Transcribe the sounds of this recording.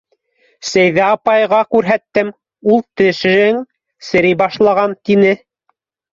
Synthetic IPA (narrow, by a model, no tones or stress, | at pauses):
sæjðæɑpɑjʁɑkʉɾɦæt̪ːɘm | ulˠt̪ɘ̆ʃ̆ɘŋ | sɘ̆ɾijbɑʃlˠɑʁɑnt̪inɘ